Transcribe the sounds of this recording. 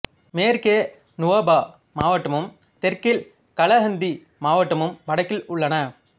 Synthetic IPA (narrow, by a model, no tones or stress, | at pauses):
meːɾkeː | nʊʋɐːbaː | maːʋɐʈːɐmɯm | t̪ɛɾkɪl | kɐɭɐɦɐnd̪i | maːʋɐʈːɐmɯmpɐɽɐkːɪlʊɭːɐnɐ